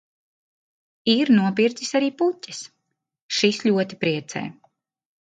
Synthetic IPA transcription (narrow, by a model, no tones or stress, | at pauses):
iɾnuɔpiɾzisaɾiːpucɛ̥s | ʃislʲuɔt̪ipɾiɛt̪sɛ̰ː